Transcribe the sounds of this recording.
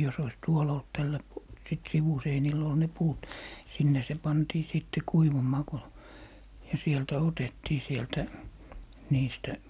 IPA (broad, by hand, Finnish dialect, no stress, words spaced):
jos ois tuol olt tælːæ pu sit siʋuseinil ol ne puːt sinːe se pɑntiː siˑtːe kuiʋumˑɑː ko jɑ sieltæ otetːiː sieltæ niːstæ